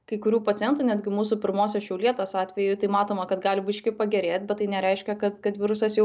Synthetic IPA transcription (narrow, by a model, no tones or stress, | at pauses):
kɐɪkʊɾʲuːpɐt̪t͡s̪ʲɪjɛnt̪uːnʲæːd̪ʲɡʲɪmuːsupʲɪɾmoːsʲoːʃʲɛʊlʲiɛt̪ɐsɑːt̪ʲʋʲɛjʊɪt̪ɐɪmɑːt̪oːmɐkɐt̪ɡɑːlʲɪbʲɪʃʲkʲɪpɐɡʲɛɾʲeːt̪ʲbʲɛt̪t̪ːɐɪnʲɛɾʲɛɪʃʲkʲɛkɐt̪kɐt̪ʋʲɪɾʊsɐsjɛʊ